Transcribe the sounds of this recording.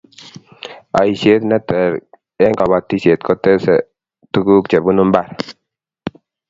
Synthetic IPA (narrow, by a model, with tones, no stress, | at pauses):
a̰˨i˨sje˦t̪na˦t̪ɛ˨ɾ | ɛ˦ŋka˨wa˨t̪ːi˦se˨t̪kɔ˦t̪ɛ˦sɛ̰˨ | t̪u˦ɡu˦kt͡ʃɛ˨bu˦nu˦mba˦˨ɾ